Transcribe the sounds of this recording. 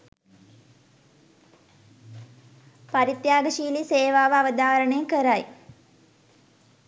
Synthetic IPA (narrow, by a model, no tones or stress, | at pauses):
paɾit̪jaːɡəʃiːliseːʋaːʋəaʋəd̪aːɾəɳeŋkəɾaj